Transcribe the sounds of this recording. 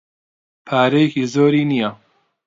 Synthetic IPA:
pʰaːɾɐjekiːzoːɾiːnija

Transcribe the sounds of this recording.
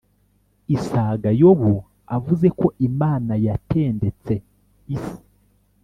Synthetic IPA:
isaːɡajoβu | avuze̞ko̞ʔimaːnajatʰeːnde̞t͡se̞ | isi̥

